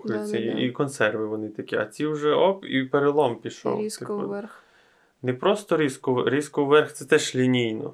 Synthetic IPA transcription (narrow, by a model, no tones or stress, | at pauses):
ʊjʊt͡sʲːɐiikɔnsɛrʋɪʋɔnɪt̪ɐkʲiɐt͡sʲiwʒɛɔpḭpeɾelˠɔmpʲiʃɔ̰wt̪ɔ̰ | nepɾɔst̪ɔɾʲiskʊɾʲiskʊʋɛrxt̪sɛt̪ɛʃlʲinʲijnɔ̰